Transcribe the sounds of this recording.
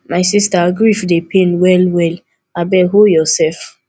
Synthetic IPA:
maɪsistaɡɹifdepʰẽnwɛlwɛl | abɛɦojɔsɛlf

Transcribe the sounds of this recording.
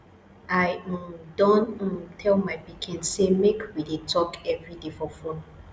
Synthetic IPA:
aɪdɔ̃n̩tʰɛlmaɪbikʰĩnsemekwidetʰɔkɛvɹidefɔfɹɔ̃n

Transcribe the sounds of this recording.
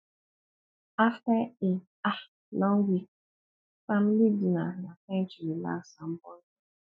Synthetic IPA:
aftae | a | lɔŋɡʷik | familidinanafɛnt͡ʃɾila̰sam̩bɔn

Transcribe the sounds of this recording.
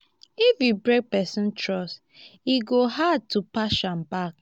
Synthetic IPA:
ifibɾɛɡ̚pɛsɪ̃n̩tɾɔs | iɡoɦad̚tupaʃam̩bak

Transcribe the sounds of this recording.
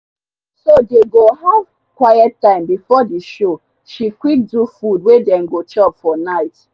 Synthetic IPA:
sodeɡoɦav̥ | kwaɪɛtːãɪ̃mbifɔdiʃo | ʃikwik̚dufudwedɛ̃nɡot͡ʃɔpfɔnaɪt

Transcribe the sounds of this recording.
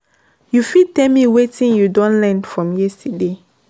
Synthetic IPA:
jufid̚tɛlmiwetĩnjudɔ̃nlɛ̃ndfɹɔ̃mjɛstɛde

